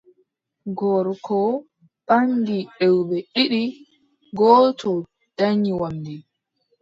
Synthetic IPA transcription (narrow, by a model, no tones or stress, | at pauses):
ɡɔɾkʰɔ | ɓaŋɡiɗɛwbɛɗiɗi | ɡɔːtʰɔ | d̥aɲiwamdi